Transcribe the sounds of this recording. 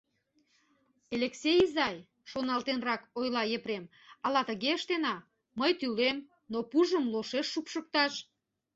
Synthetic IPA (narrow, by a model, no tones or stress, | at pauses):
eleksʲejzɑj | ʃonɑlt̪enrɑkojlɑjepɾem | ɑlɑt̪əɣeəʃt̪enɑ | məjt̪ylem | nopuʒəmloʃeʃːupʃək̚t̪ɑʃ